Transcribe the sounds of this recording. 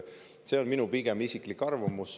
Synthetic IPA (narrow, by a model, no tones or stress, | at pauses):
se̞onminupiɡ̥emisikˑlikːɑrvɑmus